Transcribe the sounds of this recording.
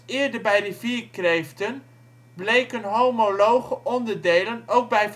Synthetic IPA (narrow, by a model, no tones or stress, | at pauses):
ɪəɹdəɹbɛjdiviːkrejftən | blejkənɦowmolowχəʔɔndəɹdeːlənowk̚bɛjf